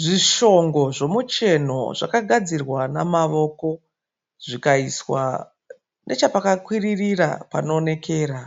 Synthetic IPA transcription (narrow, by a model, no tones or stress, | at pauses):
ʐiʃo̞ŋɡo̞ʐo̞mut͡ʃe̞no̞̰ʐa̰kaɡʱad͡zirwanamaʋo̞ko̞ | ʐikaiswa̰ | nʔe̞t͡ʃapakakwiririra̰pa̰no̞ːne̞kʰe̞ːɾa